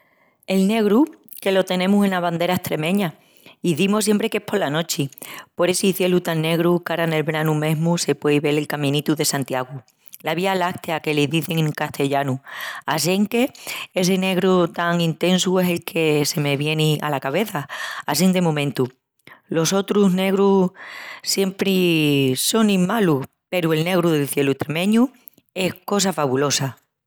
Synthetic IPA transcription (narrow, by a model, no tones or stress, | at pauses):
e̞lne̞ɣ̞ɾu | ke̞lo̞t̪e̞nẽ̞muse̞naβand̪e̞ɾaeht̪ɾe̞mẽ̞ɲa | iðimos̬je̞mpɾe̞ke̞hpʰo̞ɾlano̞t͡ʃipo̞ɾe̞siθje̞lut̪aŋnːe̞ɣ̞ɾukaɾane̞lβɾanume̞ɦmuse̞pwe̞iβe̞le̞lkamĩnit̪uðe̞sant̪jaɣ̞u | laβ̞ialakt̪eake̞leðiθeŋŋkaht̪ʰe̞ʎanua̰s̬e̞ŋke̞e̞s̬e̞ne̞ɣɾut̪aŋint̪ẽ̞nsue̞se̞lkʰe̞se̞me̞βje̞nia̰lakaβe̞θaːsind̪e̞mõmẽnt̪u | lo̞so̞t̪ɾuzne̞ɣɾu | sje̞mpɾiso̞nĩmmalu | pe̞ɾue̞lne̞ɣ̞ɾuðelθje̞lut̪ɾemẽ̞ɲu | e̞hko̞s̬afaβulo̞sa